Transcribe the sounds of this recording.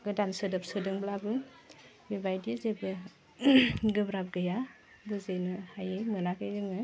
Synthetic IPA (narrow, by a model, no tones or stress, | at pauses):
ɡɯdansɯdɯpsɯdɯŋblabɯ | bebajdiezebɯ | ɡɯbɾap̚ɡɯja | bɯzejnɯhajɯjmɯnakɯjdɯŋɯ